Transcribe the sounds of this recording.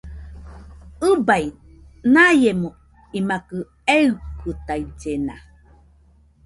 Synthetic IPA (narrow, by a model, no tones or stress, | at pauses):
ɯbaj | najemo | imakɯ | eukɯt̪ajd͡ʒena̰